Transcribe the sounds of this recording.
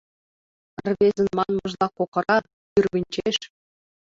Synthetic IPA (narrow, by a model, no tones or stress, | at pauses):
rʲβʲezʲɘ̆nmɑnmɤ̆ʒlˠɑkokɤ̆ɾɑ | jyrʲβʲĭnʲt͡ɕeʃ